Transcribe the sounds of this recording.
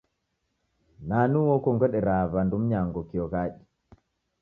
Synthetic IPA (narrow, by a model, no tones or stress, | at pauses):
nanuwɔkɔŋɡəɗɛɾavandumɲaŋɡɔkɔɣaɗi